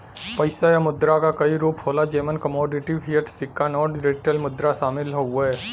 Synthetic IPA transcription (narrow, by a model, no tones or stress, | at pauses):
pɐɪsajamʊd̪ɾakakɐiɾuːphoːlad͡ʒeːmənkɐmɔːɖɪʈipʰijəʈsɪkːanɔːɖɾeːʈəlmʊd̪ɾaʃaːmɪlɦoɛː